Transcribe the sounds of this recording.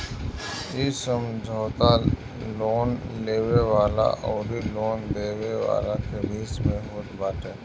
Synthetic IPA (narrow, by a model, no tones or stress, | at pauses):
iːsəmd͡ʒʱɔːt̪a | loːnleːweʋaːla̰ʔɔːɾiloːnd̪eːweʋa̰ːlakebʱiːsmẽɦot̪baːʈẽː